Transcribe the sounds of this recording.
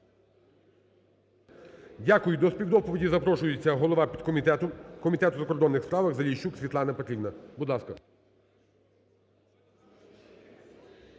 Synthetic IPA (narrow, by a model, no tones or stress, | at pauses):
dʲakʊjʊd̪ɔsʲpʲiwd̪ɔpɔʋʲidʲizɐpɾɔʃʊjet͡sʲːɐɦɔlˠɔʋɑpʲid̪ | kɔmʲit̪ɛt̪ʊzɐkɔrd̪ɔnːɪxspɾɑʋɐɣzɐlʲijʃt͡ʃːuksʲʋʲit̪lˠɑnɐpt̪ɾʲiwnɐbud̪lˠɑskɐ